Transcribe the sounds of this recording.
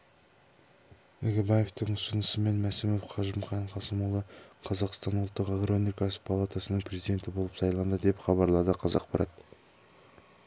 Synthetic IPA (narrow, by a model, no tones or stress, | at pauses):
eɡʲɪbaje̞ft̪ɪŋʊsənəsəme̞nmæsɪmofqʰɑʒɪmχɑnqʰɑsəmolˠəqʰɑzɑqst̪ɑnwʊlˠt̪ːəqekronijkɑsə̥pʰalˠat̪asənəɴpʰrezijd̪e̞nt̪ɪbo̞lˠəpsɑjlˠɑnd̪əd̪e̞pχɑβɑɾlˠɑd̪əqʰɑzɑ̰qpʰɑɾʔɑ̰t̪